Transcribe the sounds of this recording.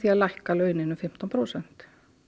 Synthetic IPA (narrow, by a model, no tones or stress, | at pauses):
θiaðlajhkalœːɥnɪnʏfɪm̥t̪ɔnpʰɾoːwsɛn̥t̪